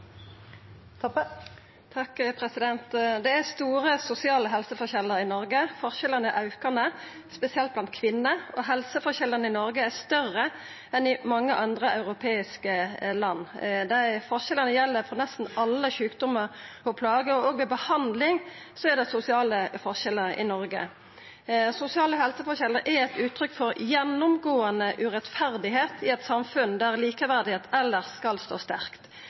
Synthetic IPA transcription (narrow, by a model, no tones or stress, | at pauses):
t̪ʰɑkpʰɾɛsɪd̪ɛnt̪d̪ɛæst̪uːɾəsʊsɪɑːləɦɛlsəfɔʁçɛlːəɾɪnɔɾɡəfɔʁʃɛlənəʔɑʉkənə | spɛsɪɛlt̪̚blɑnt̪̚kʰʋɪnːəɔɦɛlsəfɔʁçɛləʁnəɪnɔɾɡəæʁst̪œrːə | ɛnɪmɑŋːəʔɑnd̪ʁəɑʉʁʊpʰeːɪskəlɑnːd̪æɪfɔʁʃɛlənəjɛlːəɾfɾɔnɛst̪n̩ɑlːəçʉːkd̪ʊməɾɔpʰlɑːɡəɔoːɡʋɛːbəhɑnd̪lɪŋsɔæd̪ɛɪsʊsɪɑːləfɔʁʃɛlːəʔɪ̰nɔɾɡə̰ | sʊsɪɑːləɦɛlsəfɔçɛləɾʔæɾɛt̪ʉːt̪ʰːɾʏkfɔɾjɛnːʊmɡoːɑnəʔʉʁɛt̪fæʁd̪ɪɦeːt̪ʰɪɛt̪sɑmfʉnd̪æʁliːkəʋæʁd̪ɪheːt̪ɛlːəʁskɑlst̪o̰ːst̪æʁkt̪